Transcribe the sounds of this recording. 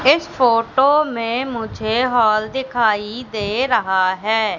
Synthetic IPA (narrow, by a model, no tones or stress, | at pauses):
ɪspʰoːʈoːmẽːmʊd͡ʒʱeːɦɔːld̪ɪkʰaːid̪eːɾəɦaːɦɛː